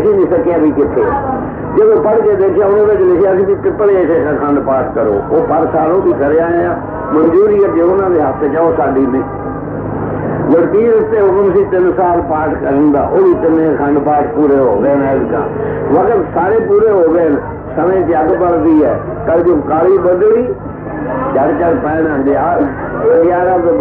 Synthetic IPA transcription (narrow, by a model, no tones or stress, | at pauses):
sĩːniːsəkːeaːbiːkɪt̪ʰːeː | d͡ʒəd̪õːpəɽkeːd̪eːkʰjaːʊnãːbet͡ʃlɪkʰeaəsĩːt̪iːkɪt̪ːɽeːsʰeːkãːkʰəɳɖpaːʈʰkəɾo̰ːoːpəɾsaːlõːb̪iːkəɾeːaːeãː | mənd͡ʒuːɾiːəd͡ʒeːʊnãːd̪eːɦəst̪eːt͡ʃaːoːsaːɖiːmiː | d͡ʒəɽt̪iːɾɪst̪eːɦʊkəmsĩːt̪ɪnsaːlpaːʈʰkəɾ̃nd̪a̰ːʔoːʋiːt̪ɪnẽːkʰəɳɖpaːʈʰpuːɾeːɦo̰ːɡeːnɛːdkã̰ː | ʋəkt̪saːɾeːpuːɾeːɦoːɡeːn | səmẽːt̪ɪəɡpəld̪iːɛ̰ː | kəld͡ʒoːkaːliːbəd̪liː | t͡ʃəɽt͡ʃəɽpɛ̃ːnə̃nd̪eːaː | oːjaːɾa